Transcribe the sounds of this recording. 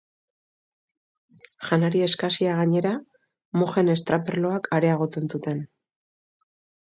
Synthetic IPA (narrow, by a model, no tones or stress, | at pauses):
ʝanaɾie̞skasiaɣaɲe̞ɾa | moxe̞ne̞st̪ɾaperlo̞akʰaɾe̞aɣ̞o̞t͡se̞nsut̪e̞n